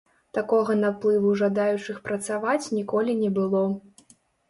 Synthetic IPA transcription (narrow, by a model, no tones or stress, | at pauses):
t̪akɔɣɐnaplˠɨvuʐad̪ajut͡ʂɨxpɾɐt̪savat͡sʲnʲikɔlʲinʲɛbɨlˠɔ